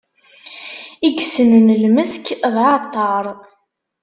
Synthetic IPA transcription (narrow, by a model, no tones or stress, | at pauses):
iɡsənənəlməskðʕɑt̪ˤːɑɾˤ